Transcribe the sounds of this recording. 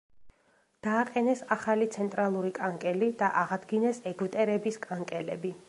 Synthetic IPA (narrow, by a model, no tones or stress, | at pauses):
d̪̥aːqʼɛnɛsaχalit̪sʰɛnt̪ʼɾalˠuɾikʼaŋkʼɛlid̪aʔaʁad̪ɡinɛsɛɡt̪ʼɛɾɛbiskʼaŋkʼɛlɛbi